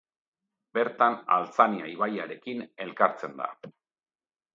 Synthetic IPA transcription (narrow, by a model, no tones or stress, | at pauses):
be̞ɾt̪ana̰lt͡saniaiβajaɾe̞kine̞lkaɾt͡se̞nd̪a̰